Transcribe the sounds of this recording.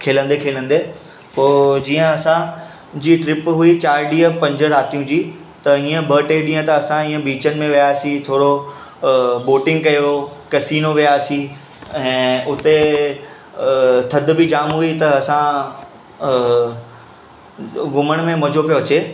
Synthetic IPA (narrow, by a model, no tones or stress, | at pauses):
kʰeːlə̃nd̪ekʰeːlə̃nd̪eː | poːd͡ʑiːə̃ɐsã | d͡ʑiːʈɾɪpɦuit͡ɕaːɾɖiːəpɐ̃ɲd͡ʑəɾaːt̪ijũd͡ʑiː | t̪ɐĩːə̃bʱəːʈeɗĩːə̃t̪ɐɐsãĩːə̃biːt͡ɕənɪ̆mẽʋijaːsĩt̪ʰoːɽo | boːʈɪ̃ŋɡ̚kɐjokɐsiːnoʋijaːsi | ɛ̃ːʊt̪e | t̪ʰɐd̪ʱʊ̆bɪd͡ʑaːmɦuit̪ɐɐsã | ɡʊməɽ̃mẽmɐd͡ʑʱopijoɐt͡ɕeː